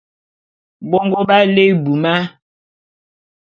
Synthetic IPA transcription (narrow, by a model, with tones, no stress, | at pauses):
bɔ˦ŋɡo˦ba˦le˦˨bu˨ma˦